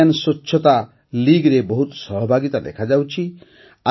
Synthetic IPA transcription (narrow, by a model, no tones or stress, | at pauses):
ansɔtːʃʰɔt̪a | liɡɾebɔɦut̪sʌɦɔbʱaɡit̪ad̪ḛkʰad͡ʒawt͡ʃʰi | a